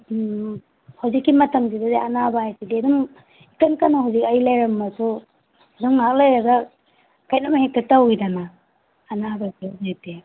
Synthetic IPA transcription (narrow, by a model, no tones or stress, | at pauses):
hawzikːimɐtɐŋdidadeɐnabaajtidiɐduŋ | ikɐnkanɐɦawzikɐjlajɾɐmːɐsu | ɐduŋŋak̚lajɾɐɡɐ | kajnɐmhek̚tɐtawidanɐː | nabajtiazajte